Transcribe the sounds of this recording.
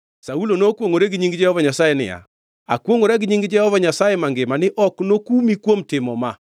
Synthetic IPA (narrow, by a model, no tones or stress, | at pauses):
saulonokwoŋoɾeɡɪɲiŋɡɪd͡ʒɛhɔvaɲasajenɪ̰ja̰ | a̰kwoŋoɾaɡɪɲiŋɡɪd͡ʒɛhɔvaɲasajemaŋɡɪmanɪʔɔknokumikwomtɪmɔma